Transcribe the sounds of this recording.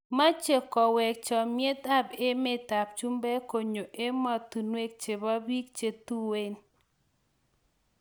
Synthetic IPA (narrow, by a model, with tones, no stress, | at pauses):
ma˦t͡ʃe˨kɔ˨wɛ˨k̚t͡ʃɔ˨mje˦t̪a˦˨be˦mɪ˦ta˨p̚t͡ʃu˦mbɛ˦ko˨ɲo˨ʔe˦mɔ˦tu˨nwe˦k̚t͡ʃe˨ba˦bi˦k̚t͡ʃe˦t̪u˦we˦n